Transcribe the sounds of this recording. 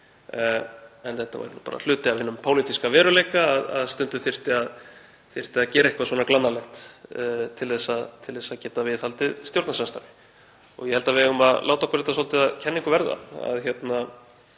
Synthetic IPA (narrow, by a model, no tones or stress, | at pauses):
ɛnθɛht̪ːava̰ɾnpa̰ːɾa̰l̥ʏːt̪ɪaðvɪnːʏmpʰoːwlit̪iskavɛːɾʏleːjkaːða̰ðst̪ʏnt̪ʏθɪr̥t̪ɪað | θɪr̥t̪ɪaðcɛːɾaɪhkvaswɔːnaklanːalɛxt̪ː | t̪ʰɪlθɛsːaðt̪ʰɪlθɛsːaðcɛːt̪avɪðhalt̪ɪðst̪jowɾt̪nasanst̪a̰ɾvɪ̥ | ɔ̰ɣjɛhɛlt̪avɛɣʏmaðlʔaːwt̪aɔhkʰɔɾɛt̪asɔlt̪ɪaðcʰɛnːɪ̃ŋkʏvɛɾða̰a̰ðçjɛt̪na